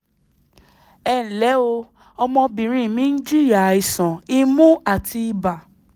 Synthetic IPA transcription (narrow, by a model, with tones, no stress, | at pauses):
ɛ˦˨n̩˨lɛ˨˦o˧ | ɔ˧mɔ̃˧bĩ˨ɾ̃ĩ˧˦˨nĩ˦n̩˦d͡ʒi˦ɾja˨i˨sɔ̃˨i˧mũ˦a˦˨ti˧i˧ba˨